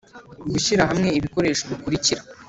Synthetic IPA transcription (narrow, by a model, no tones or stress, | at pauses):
ɡuɕiɾaɦamŋe̞iβiko̞ɾe̞ːʃoβikuɾiciɾa